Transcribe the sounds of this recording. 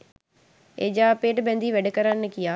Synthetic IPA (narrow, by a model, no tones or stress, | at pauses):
ḛːd͡ʒaːpeːʈbɛ̃ːnd̪iːʋɛɖkəɾənəkɪjaː